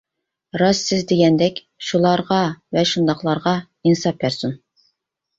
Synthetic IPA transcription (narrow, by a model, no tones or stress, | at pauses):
ɾɑsːɪzd̪eɡʲɛnd̪ɛkʲ | ʃulˠɑɾʁɑvɛʃund̪ɑqlˠɑɾʁɑ | inɨsɑpbæɾsun